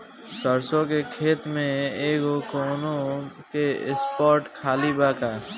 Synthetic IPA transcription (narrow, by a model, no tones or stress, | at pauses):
səɾsõkekʰeːt̪mẽeːkokoːnokeɪ̰spɔːɾʈkʰaːlibaːka